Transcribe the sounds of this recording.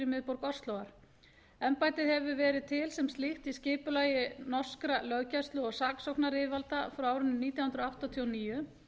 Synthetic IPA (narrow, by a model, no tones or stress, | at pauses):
ɾɪmɪðpɔwɾkɔst̪lowɣaɾ̥ | ɛmpajt̪ɪðhɛvʏvɛːɾɪðt̪ʰɪlsɛmst̪liht̪iscɪːpʏlaːjɪnɔ̥skɾalœɥcast̪lʏɔɣsaksɔwknaɾɪːvalt̪afɾawaːwɾʏnːniːt̪jawhʏnɾɔawht̪at̪ʰiɔniːjʏ